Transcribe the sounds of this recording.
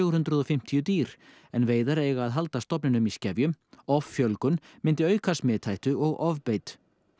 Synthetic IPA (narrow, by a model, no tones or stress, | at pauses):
ɣɾhʏnt̪ɾʏðɔfɪm̥t̪ʰijʏt̪iːɾ̥ | ɛnveːjðaɾejɣaːðɦalt̪ast̪ɔpnɪnʏmiscɛvjʏmɔfːjœlkʏnmɪnt̪ɪœːɥkʰasmɛːt̪ʰajht̪ʏɔɣɔvpeːjt̪